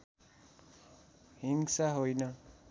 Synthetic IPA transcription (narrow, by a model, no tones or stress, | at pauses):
hiŋsaɦojnʌ